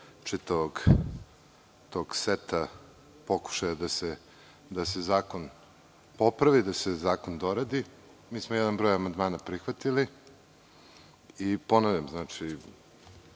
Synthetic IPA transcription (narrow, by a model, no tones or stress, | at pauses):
t͡ʂit̪aʋoɡ | t̪o̞ːɡset̪a | po̞ku̥ʃajad̪ase | d̪asezaːko̞n | po̞pɾaʋid̪asezaːkond̪o̞ɾad̪i | miːsmojɛd̪anbɾojamand̪maːnapɾixʋat̪ili | ipo̞noʋjamznaːt͡ʂi